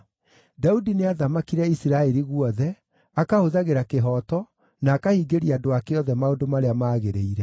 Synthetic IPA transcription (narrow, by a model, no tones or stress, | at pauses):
daudineaðamakiɾɛisiɾaɛɾiɣwɔðɛ | akahoðaɣeɾakeɦɔːtɔ | naːkahiɡeɾiadoakeɔðɛmaodomaɾeamaːɣeɾeiɾɛ